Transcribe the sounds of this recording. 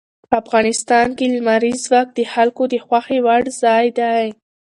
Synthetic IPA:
pəafɣɑnɪst̪ɑnkelmaɾizwɑk̚d̪əxalkod̪əxwaxewaɽzɑjd̪aj

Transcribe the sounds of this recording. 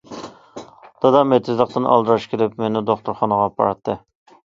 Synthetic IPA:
d̪̥ɑd̪ɑmet̪ʰɪzlˠəq̚t̪ɨnʔɑ̰lˠd̪ɨɾɑʃkʲʰelɪpmenɪd̪oχt̪ʰʊɾχɑnəʁɑpʰɑ̰ɾt̪ʰːɨ

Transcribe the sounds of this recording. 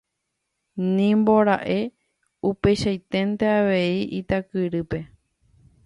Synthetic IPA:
nĩmbo̞ɾaʔe̞ | upe̞ʃajt̪e̞nt̪e̞aʋe̞iʔit̪akɨɾɨpe̞

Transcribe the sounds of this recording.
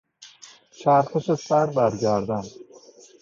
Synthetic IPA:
t͡ʃʰæɾxeʃesæɾbæɾɟæɾd̪æn

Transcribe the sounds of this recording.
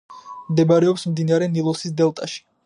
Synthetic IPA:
md̪ɛbaɾɛɔpsmd̪inaɾɛnilˠɔsisd̪ɛlˠt̪ʼaʃi̥

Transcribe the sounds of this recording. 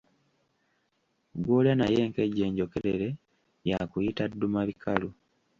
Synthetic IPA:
ɡwoːljanaje̞ːŋke̞ɟːe̞ːɲɟo̞ke̞ɾeɾe̞ | jakujitadːumaβikʰalu

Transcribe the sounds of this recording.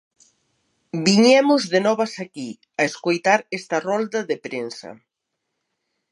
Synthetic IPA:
biɲɛmʊzðenɔβɐsaki | ɐeskojt̪aɾest̪ɐrɔld̪ɐðepɾensɐ̰

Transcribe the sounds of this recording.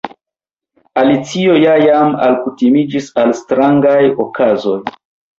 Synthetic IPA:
alit͡sio̞jajama̰lkutimid͡ʒisalstɾaŋɡajokazo̞j

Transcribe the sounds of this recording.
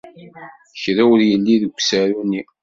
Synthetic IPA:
çɾæwəɾjəlːiðəɡʷsaɾuni

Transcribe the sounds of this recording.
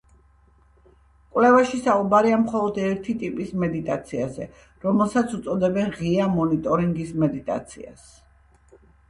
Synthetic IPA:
kʼwlɛvaʃisaubaɾiamχɔlˠɔd̪ɛɾt̪ʰit̪ʼipʼismɛd̪it̪ʼat̪sʰiazɛ̰ | ɾɔmɛlˠsat̪sʰut̪sʼɔd̪ɛbɛnʁiamɔnit̪ʼɔɾiŋɡismɛd̪it̪ʼa̰t̪sʰḭa̰s

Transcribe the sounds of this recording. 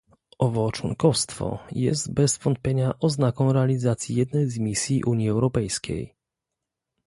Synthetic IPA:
ɔvɔt͡ʂwɔ̰ŋkɔfst̪fɔ̰jɛ̰zt̪bɛzvɔnt̪̚pʲjeɲaʔɔznakɔ̃wɾɛalʲizat̪sʲjijɛd̪nɛjzmʲisʲjiʔuɲjiɛwɾɔpɛjskʲḛj

